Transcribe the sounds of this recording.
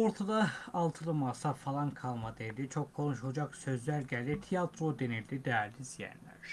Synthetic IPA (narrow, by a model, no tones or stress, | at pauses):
o̞ɾt̪ʰad̪ɑːlˠt̪ʰɯɾˠɯmɑsɑfɑlˠɑnkʰɑlˠmɑd̪ed̪it͡ʃʰo̞kkʰːo̞nuʃhod͡ʒɑksø̞zlæɾɟæld̪it̪ʰijɑt̪ʰɾod̪eniɾd̪id̪ææɾlizijæ̰nlæ̰ɾ̥